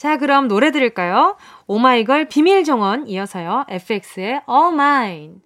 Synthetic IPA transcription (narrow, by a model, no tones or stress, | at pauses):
t͡ɕakɯɾʌmnoɾe̞dɯɾiɭk͈ajo | omaiɡʌɭpimiɭd͡ʑoŋʌniʌsʰʌjoe̞pʰɯek̚s͈ɯe̞ʔʌmain